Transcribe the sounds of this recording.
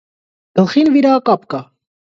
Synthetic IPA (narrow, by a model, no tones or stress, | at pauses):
ɡ̥əlχinviɾakɑp̚kɑ